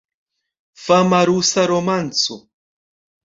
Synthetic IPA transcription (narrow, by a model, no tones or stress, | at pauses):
famaɾusaɾomant͡so